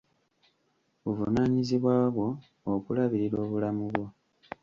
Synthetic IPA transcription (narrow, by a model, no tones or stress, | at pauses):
βuvunaːɲiziβwaːβwo̞ː | kulaβiɾiɾo̞ːβulamuβwo̞